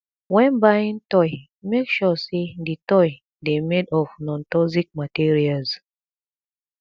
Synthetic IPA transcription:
wɛ̃nbaĩntɔɪ | mekʃɔseditɔj | demedɔfnɔ̃ntɔzik̚matiɹialz

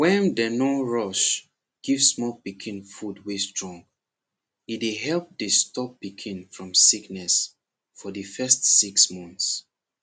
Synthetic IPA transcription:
wɛ̃ndənoɹɔʃ | ɡ̥ivsmɔlpikʰĩnfudwestɹɔ̃ŋɡ | ideɦɛlp̚dɨstɔp̚pikʰĩnfɹɔ̃msiknɛs | fɔdəfɛstsiksmɔ̃nθs

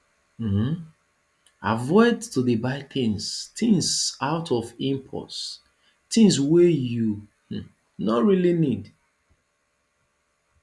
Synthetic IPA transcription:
m̩ | a̰vɔɪdtʰuðəbaɪkʰĩnstĩŋsaʊtʰɔvĩmpʰɔ̰s | tĩŋs̬weju | h̩ | nɔtɹilinid

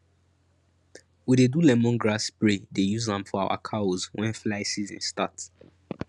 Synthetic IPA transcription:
widedulɛmɔ̃nɡɹasbɹedejuzãmfɔawa̰kʰaozwɛ̃nflaɪsizɛ̰̃nsta̰t

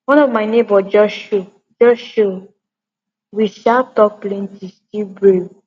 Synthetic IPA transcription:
wɔ̃nɔvmaɪnẽbɔd͡ʒɔʃo | d͡ʒɔʃo | wiʃaltɔk̚plẽntistibɹe

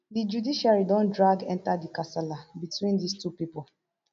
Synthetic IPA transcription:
did͡ʒudiʃaɾidɔ̃ndɾaɡɛ̃ntadikasɛlabitwĩndistupipʊ

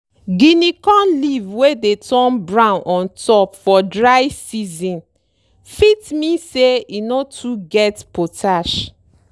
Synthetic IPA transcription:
ɡinikɔ̃nlivwedetʰɔ̃nbɹãʊ̃nʔɔ̃ntɔpfɔdɹajsizɔ̃n | fitmĩseinotʰuɡɛtpotʰaʃ

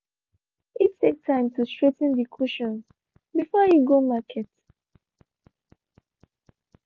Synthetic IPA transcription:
itʰːek̚tʰãɪ̃mtʰustɹ̥etə̃n̩dikʰuʃɔ̃ns | bifɔjuɡomakʰɛt

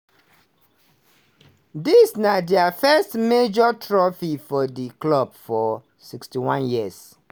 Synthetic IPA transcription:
disnadɛafɛstmed͡ʒɔtʰɹɔfifɔdiklɔb̚fɔ | sikstiwãnjiəs

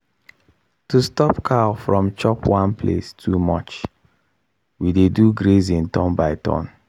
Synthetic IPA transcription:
tustɔpkʰafɹɔ̃mt͡ʃɔpwãnpʰlḛstʰumɔt͡ʃ | wideduɡɹezĩntɔ̃nbaɪtʰɔ̰̃n

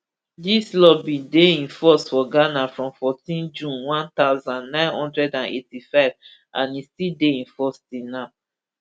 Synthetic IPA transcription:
dislɔbĩdeĩnfɔsfɔɡanafɹɔ̃mfɔtĩnd͡ʒũnwãnt̪aʊzãnːãɪ̃nhɔ̃ndɹɛdãnḛtifaɪv | ʔã̰nistildeĩnfɔstinã

